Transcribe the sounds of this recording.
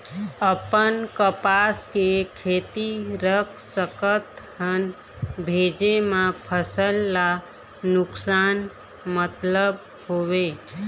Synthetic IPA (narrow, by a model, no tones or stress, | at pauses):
əpənkəpaskekʰet̪iɾəkʰsəkət̪hən | bʱed͡ʒemãpʰəsəlːa | nʊksaːn | mət̪ləb | hoʋe